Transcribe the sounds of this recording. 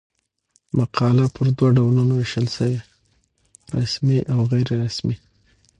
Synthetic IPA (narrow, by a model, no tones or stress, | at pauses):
maqʰɑlapʰəɾd̪waɖawlunowɪʃəlsəwe | ɾa̰smiʔawɣajɾeɾasmi